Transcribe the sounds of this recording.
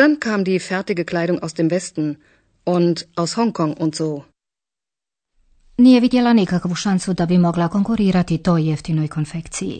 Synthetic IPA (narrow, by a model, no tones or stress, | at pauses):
d̥ankʰaːmdiːfɛɐtɪɡəkl̥aɪɾʊŋaʊsd̥eːmvɛstn̩ | ʔʊntʔaʊshɔŋkʰɔŋʔʊntz̥oː | niːjevid̪jelanikakʋuʃansud̪abimo̞ɡlako̞ŋkuɾiːɾat̪it̪o̞ːjːeft̪ino̞jkʰonfekt̪sijḭ